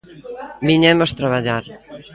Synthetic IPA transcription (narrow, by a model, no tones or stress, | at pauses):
biɲɛmost̪ɾaβ̞aʎaɾ